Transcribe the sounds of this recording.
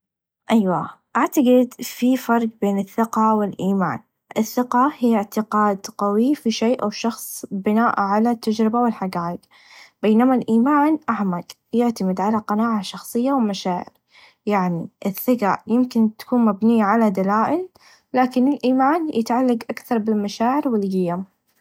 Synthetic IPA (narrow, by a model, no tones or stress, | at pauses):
ʔajwaʔaʕt̪aɡɪd̪fifɑɾˤqbeːnɪθːɪqɑwɪlʔiːma̰ːn | ʔɪθːɪqɑhijːɪʕt̪ɪqaːd̪qawifiʃeːʔawʃɑxsˤbɪnaːʔʕalat̪ːad͡ʒɾɪbawɪlħaɡaːʔɪɡ | beːnamalʔiːmaːnʔaħmaɡ | jɪʕt̪amɪd̪ʕalaqɑnaːʕaʃɑxsˤɨjːawɪmaʃaːʕɪ̰ɾ | jaʕniʔɪθːɪqɑʔjɪmkɪnt̪ḁkuːnmabniːaʕalad̪alaːʔɪl | laːkɪnɪlʔiːmaːnjʔɪt̪ʕalːaɡʔakθɑɾˤbɪlmaʃaːʕɪɾwɪlɣɪjam